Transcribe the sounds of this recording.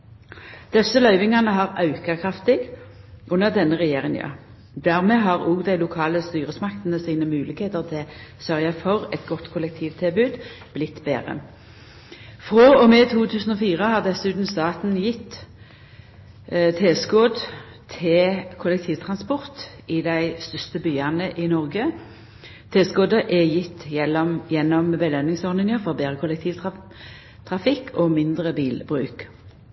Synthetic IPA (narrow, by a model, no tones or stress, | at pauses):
d̪̥ɛsːəlœʏʋɪŋɑnəɦɑʁɑʉkəkʰʁɑft̪ɪɡʔʉnːəʁd̪ɛnːəʁɛjeːʁɪŋɑ̰ | d̪æʁmɛːɦɑʁuːɡd̪æɪlʊkʰɑːləst̪yːʁəsmɑkt̪n̩əsiːnəmʉːlɪkheːt̪əʁt̪ʰɪlsœʁjɑfɔʁɛt̪ɡɔt̪ːkʰʊlɛk̚t̪ʰiːʋt̪ʰɪlbʉːd̪ | b̥lɪt̪ːbḛːʁə̰ | fʁoːɔmɛːt̪ʰuːt̪ʰʉːsn̩ɔfiːʁəhɑːʁd̪ɛsʉːt̪n̩st̪ɑːt̪n̩jɪt̪ː | t̪ʰeːskoːd̪ | t̪ʰeːkʰʊlɛk̚t̪ʰiːʋt̪ʰʁɑnspɔʁt̪ | ɪd̪æɪst̪ʏst̪əbyːɑnəʔɪnɔʁɡə | t̪ʰeːskoːd̪əʔɛjɪt̪ːjɛlɔjɛnːɔmbəlœnɪŋsɔʁnɪnjəʁfɔʁbeːʁəkʰʊlɛkt̪ʰiːʋ̪ | t̪ʰʁɑfɪkʰomɪnd̪ʁəbiːlbʁʉ̰ːk